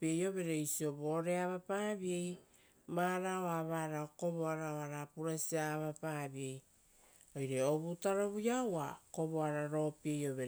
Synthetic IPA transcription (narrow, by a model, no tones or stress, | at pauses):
piejo̞βe̞ɾe̞jsio̞boːɾeaβapaːbie̞j | maɾaoaβaɾaoko̞βoaɾaoaɾapuɾasiaβapabie̞j | o̞jɾe̞o̞βutaɾoβujawako̞βoaɾaɾo̞piejo̞βeɾ